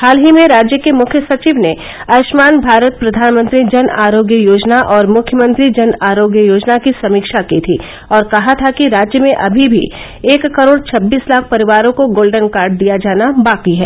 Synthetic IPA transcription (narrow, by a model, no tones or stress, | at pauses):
haːlɦimẽɾaːd͡ʒjəkemʊkʰjəsɐt͡ʃiːʋne | ɐːʃmaːnbʱaːɾət̪̚pɾɐd̪ʱaːnmə̃nt̪ɾid͡ʒɐnaːɾoːɡjəjoːd͡ʒnaʔɔːɾmʊkʰjəmə̃nt̪ɾid͡ʒɐnaːɾoːɡjəjoːd͡ʒnakisɐmiːkʃakit̪ʰiː | ɔːɾkɐɦat̪ʰakiɾaːd͡ʒjəmẽʔɐbʱibʱḭ | eːkːɐɾoːɽt͡ʃʰɐbːiːslaːk̚ʰpɐɾɪʋaːɾõkoɡoːlɖənkaːɾɖ̚d̪ijad͡ʒaːnabaːqiɦɛ̰ː